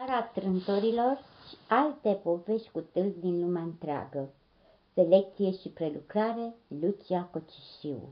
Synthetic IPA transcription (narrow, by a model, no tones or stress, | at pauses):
aɾat̪ɾɨnt̪oɾilo̞rʃi̥alt̪e̞po̞veʃʲkut̪ɨlzd̪inlumeaɨnt̪ɾea̰ɡə | se̞le̞k̚t̪sije̞ʃipɾe̞lukɾaɾe̞lut͡ʃiako̞t͡ʃi̥ʃiwṵ